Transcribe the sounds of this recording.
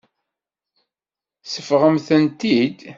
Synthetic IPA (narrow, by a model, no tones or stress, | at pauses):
səfʁəmθənt̪id̪